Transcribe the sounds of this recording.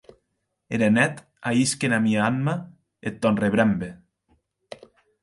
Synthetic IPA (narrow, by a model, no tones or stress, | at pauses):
eɾenɛt̪ | aiskenamiaamːa | et̪ːɔnreβɾambe